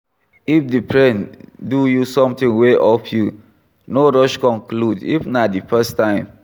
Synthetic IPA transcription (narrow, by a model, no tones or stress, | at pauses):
ifdipʰɹɛ̃ndujusɔ̃mtĩŋweʔɔfʰju | noɹɔʃkɔ̃nkludḭfnadifɛstãɪ̃m